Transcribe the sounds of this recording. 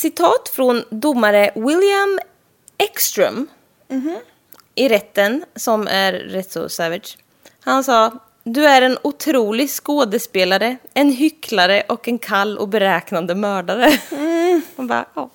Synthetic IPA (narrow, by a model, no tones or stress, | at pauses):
sɪt̪ʰɑːt̪fɾɔnd̪ʊmːaɾəwɪljam | ɛkst̪ɾə̰m | ʔɪɾɛt̪ːənsɔmʔæ̰ɾːɛt̪sɔ̰sɛːvɪʂ | hansɑː | d̪ɵæɾɛnʊt̪ʰɾuːlɪɡskoːd̪əspeːlaɾəɛnɦʏkʰlaɾəʔɔkɛnkʰalːɔ̰bɛɾɛːknand̪əmœːɖaɾə | hanbɑ̰ːjɑː